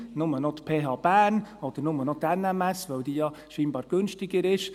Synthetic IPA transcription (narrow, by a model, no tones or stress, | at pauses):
nʊmənot̪pʰeːɦɑːb̥æːnɔd̥əɾnʊmənɔt̪ɛnɛmɛsvœwdiːjɑː | ʃiːnbɑːɾɡ̥ønʃtɪɡəɾɪʃ